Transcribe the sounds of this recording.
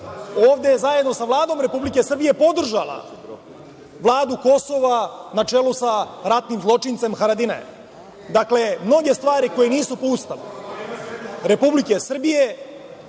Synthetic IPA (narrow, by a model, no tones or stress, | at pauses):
oːʋd̪e̞jezajed̪no̞saʋlˠaːd̪o̞mɾe̞publike̞sr̩bije̞po̞d̪r̩ʒalˠa̰ | ʋlˠaːd̪uko̞so̞ʋanat͡ʂe̞lusaɾat̪nimzlˠo̞t͡ʃint̪se̞mxaɾad̪ina̰ḛ | d̪akle̞mno̞ɡe̞st̪ʋaːɾiko̞jeniːsupo̞ust̪aʋṵ | ɾe̞publike̞sr̩bije̞